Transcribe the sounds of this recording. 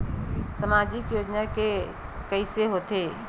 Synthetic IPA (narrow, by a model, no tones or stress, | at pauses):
səmaːd͡ʒikjoːd͡ʒnake | kəɪseɦot̪eː